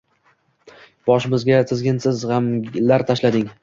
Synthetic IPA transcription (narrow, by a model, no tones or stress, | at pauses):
b̥ɒʃɪmɪzɡʲat̪ʰɪzɡʲɪnsɪzʁɑmlaɾt̪ʰaʃlad̪ɪŋ